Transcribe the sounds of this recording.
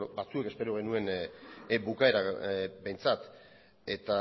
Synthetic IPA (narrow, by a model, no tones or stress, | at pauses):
bat͡sue̞ke̞spe̞ɾo̞ɣ̞e̞nue̞n | bukae̞ɾabe̞jnt͡sat̪ | e̞t̪a